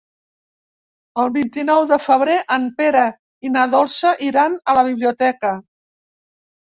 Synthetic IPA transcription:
əlˠβint̪inɔwðəfəβ̞ɾeʔəmpeɾə | inəðɔlˠsəʔiɾanələβ̞iβ̞liut̪ɛkə

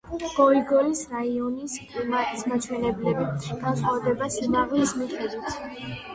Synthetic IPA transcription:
ɡ̥ɔiɡɔlisɾaiɔniskʼlimat̪ʼismat͡ʃʰwɛnɛblɛbiɡ̥ansχwavɛd̪ɛbasinaʁlismiχʼɛd̪it̪ʰ

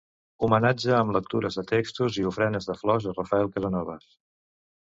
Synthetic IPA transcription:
umənad͡ʒəːmlək̚t̪uɾəzðət̪ekst̪uziufɾɛnəzðəflɔzərəfəɛlˠkəzənɔβəs

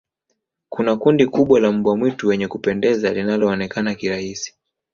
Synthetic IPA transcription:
kunakundikuɓwalam̩bwamwituwɛɲɛkupɛndɛzalinalɔːnɛkanakiɾahisi̥

